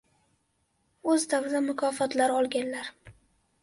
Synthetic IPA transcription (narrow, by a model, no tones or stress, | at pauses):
ɵzd̪awɾɪd̪amʊkʰɒfɒt̪laɾɒlˠɡʲanlaɾ